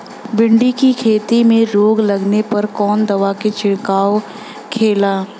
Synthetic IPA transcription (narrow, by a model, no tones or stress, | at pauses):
bɪ̃ɳɖikikʰeːt̪imẽɾoːɡlɐɡnepɐɾkɔːnd̪ɐʋaket͡ʃɪɽkaːo | kʰeːlaː